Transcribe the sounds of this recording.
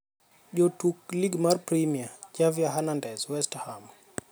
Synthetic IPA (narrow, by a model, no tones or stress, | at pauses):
ʄɔtukliɡmaɾpɾimiad͡ʒaviaɦanandɛzwɛstham